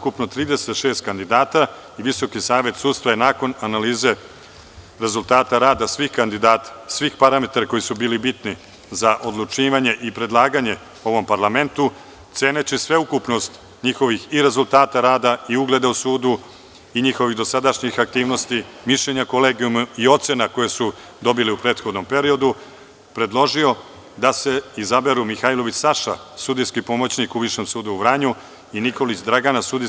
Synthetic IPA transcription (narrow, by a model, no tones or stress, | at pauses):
ukupnot̪ɾiːd̪ese̞t̪ʃe̞ːst̪̚kand̪id̪aːt̪a | iʋiso̞kisaːʋe̞t̪suːd̪st̪ʋajenaːko̞nanaliːze̞ | ɾe̞zulˠt̪aːt̪aɾaːd̪asʋixkand̪id̪aːt̪ḁsʋixpaɾame̞t̪aɾako̞jisubiːlibit̪ni | zaʔo̞d̪lˠut͡ʃiːʋaɲeʔipɾe̞d̪lˠaːɡaɲe̞ | o̞ʋo̞mpaɾlˠame̞nt̪u | t̪se̞ːnet͡ɕisʋe̞ukupno̞st̪ | ɲixo̞ʋixiɾe̞zulˠt̪aːt̪aɾaːd̪aiuɡle̞ːd̪ausuːd̪u | iɲixo̞ʋiɣd̪o̞sad̪aʃɲixak̚t̪iːʋno̞st̪imiʃʎeɲakoleːɡijumio̞t̪sjenako̞jesu | d̪o̞biliupɾe̞ːt̪xo̞d̪no̞mpe̞ɾio̞d̪u | pɾe̞d̪lˠo̞ʒio̞ | d̪ase̞izabe̞ɾumixailo̞ʋit͡ɕsaʃa̰sud̪iskipo̞mot͡ɕnikuʋiʃemsuːd̪uuʋɾaɲu | iniko̞lit͡ɕd̪ɾaɡanasud̪i